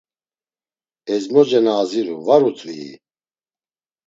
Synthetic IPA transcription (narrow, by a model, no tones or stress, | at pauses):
ɛzmɔd͡ʒɛnaːziɾṵvaɾut͡sʼvḭː